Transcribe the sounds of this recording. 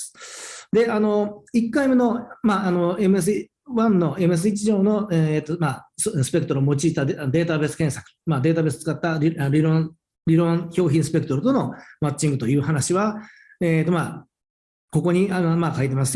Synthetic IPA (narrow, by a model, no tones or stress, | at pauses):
d̪e̞ano̞ikːaime̞no̞maano̞e̞mɯ̟es̬ɨ | βãnːo̞ʔe̞mɯ̟e̞s̬ɨit͡ɕiʑo̞ːno̞et̪ːomassɨ̥pe̞kɯ̟t̪oɾomo̞t͡ɕiːt̪ad̪and̪e̞ːt̪abe̞sɨ̥kẽ̞ɰ̃sḁkɯ̥mad̪e̞ːt̪abesɨ̥t͡sɨ̥kat̪ːaɾʲiaɾʲiɾõ | ɾʲiɾõ̞ŋço̞ːçĩɰ̃sɨ̥pe̞kɯ̥t̪oɾot̪ono̞mat͡ɕĩŋɡɯt̪o̞jɯ̟ːhɦanaɕiβa | eːt̪ːo̞ma | ko̞ko̞ɲ̟iamakait̪e̞mas̬ɨ